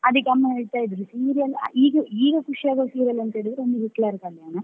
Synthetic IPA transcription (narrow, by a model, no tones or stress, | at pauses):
ɐd̪ɐkːeɐmːɐniɽt̪aːjid̪ɾusiːɾijɐl̰iːɡɐiːɡɐkuʂijaːɡosiːɾijɐlɐnt̪ɐeːɽid̪ɾeond̪uʋiklaːɾkɐlaːnɐ